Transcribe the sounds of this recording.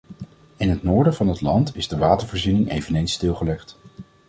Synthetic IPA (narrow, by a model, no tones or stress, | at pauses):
ɪnɦətnʊːɹdəvɑnɦətlɑntɪzdəʋaːtəɹvɔːɹzinɪŋejvənejnstɪlˠχəlɛχt